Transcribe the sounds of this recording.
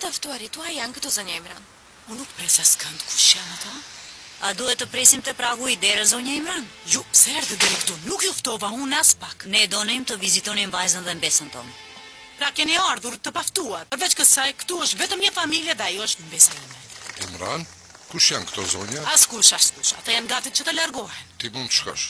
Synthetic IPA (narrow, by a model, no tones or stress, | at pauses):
t̪aft̪uaɾit̪uajankət̪ɔzɔɲaimɾan | unukpɾɛsaskənt̪ku̥ʃjamat̪a | a̰d̪uɛt̪ːəpɾɛsimt̪ɛpɾaɣuid̪ɛɾɛzɔɲaimɾanjusɛɛɾðəd̪ɛɾikt̪ɔnukjɔft̪ɔvaunaspaknɛd̪ɔnimt̪əvizit̪ɔnimvajzənðɛmbɛsənt̪ɔ̰m | pɾakjɛniaɾðuɾt̪əpaft̪uaɾpəɾvɛt͡ʃkəsajkt̪uəʃt̪vɛt̪əmɲəfamiljɛðɛajɔəʃt̪mbɛsaimanimɾa̰n | kuʃjankt̪ɔzɔɲaaskuʃaskuʃa̰t̪ajanɡat̪it̪̚t͡ʃət̪əlaɾɡɔhɛnt̪imunt̪ʃka̰ʃ